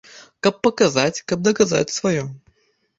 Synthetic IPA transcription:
kakpːəkɐzatʲkab̚d̪əkɐza̰tʲsvɐjo

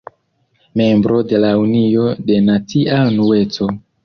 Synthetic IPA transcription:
me̞mbɾo̞de̞launio̞de̞nat͡siaunue̞t͡so̞

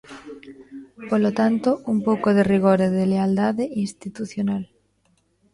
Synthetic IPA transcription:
polot̪ant̪oumpowkoðeriɣ̞oɾeðeleald̪aðeinst̪it̪uθjonal

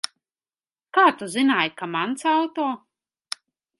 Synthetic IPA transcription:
kaːt̪uzɨnaːjkamant̪sawt̪oː

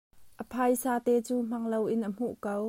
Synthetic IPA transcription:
ʔəpʰajsaːt̪ɛːt͡suːm̥ɐŋlowʔɪnʔəm̥uʔkow

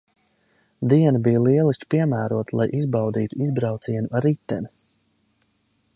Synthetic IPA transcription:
d̪iɛnabijlˠiɛlˠisʲt͡ʃpiɛmæːɾuɔt̪lˠajʔizbawd̪iːt̪uizbɾawt̪siɛnuʔaɾit̪ːɛni

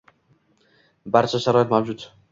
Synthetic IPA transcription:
baɾt͡ʃʰaʃaɾɒit̪mawd͡ʒʊt̪

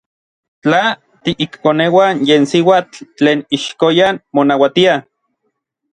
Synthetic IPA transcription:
t͡ɬa | t̪iʔikkonewanjeːnsiwaːt͡ɬːt͡ɬeːniʃkojanmonawat̪ia

